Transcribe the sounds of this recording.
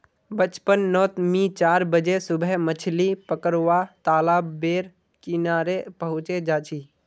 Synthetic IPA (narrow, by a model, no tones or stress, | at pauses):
bət͡ʃpənːɔːt̪mĩt͡ʃaːɾbəd͡ʒesʊbʱɛmət͡ʃʰlipəkəɾʋaːt̪aːlaːbeːɾ | kɪnaːɾepəɦʊ̃t͡ʃed͡ʒaːt͡ʃʰiː